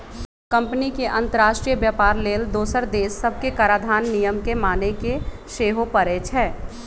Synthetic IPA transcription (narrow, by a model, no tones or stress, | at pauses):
kɐ̃mpənikeʔɐ̃nt̪əɾaːʃʈɾijəbjaːpaːɾleːld̪oːsəɾd̪eːsːɐb̚ʱkekaɾaːd̪ʱaːnːijəmkemaːnekeʃeːɦopəɾet͡ʃʰɛː